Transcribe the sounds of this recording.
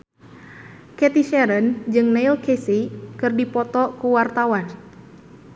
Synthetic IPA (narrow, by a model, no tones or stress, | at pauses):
kɛt̪iʃɛɾənd͡ʒɨŋneilkesikɨrdipɔt̪ɔkuwart̪awan